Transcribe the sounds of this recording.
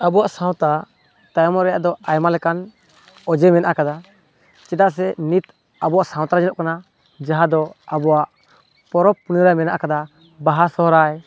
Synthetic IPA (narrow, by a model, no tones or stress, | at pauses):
abɔwaʔsaw̃t̪a | t̪ajɔmɔʔɾɛja̰ʔd̪ɔajmalɛkan | ɔd͡ʒɛmɛnaʔakad̪a | t͡ʃɛd̪aʔs̬ɛnit̪ | abɔwaʔsãwt̪aɾad͡ʒɛnɔʔkana | d͡ʒaɦad̪ɔabɔwaʔ | pɔɾɔpːuniɾamɛnaʔakad̪a | baɦasɔɦɔɾaj